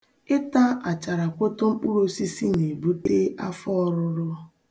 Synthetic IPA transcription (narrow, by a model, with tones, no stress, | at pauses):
ɪ˦ta˦a˨t͡ʃa˨ɾa˨kʷo˦to˦ŋ͡m̩˦k͡pu˦ɾo˦si˦si˦ne˨bu˦te˦a˦fɔ˦˨ɾʊ˦ɾʊ˦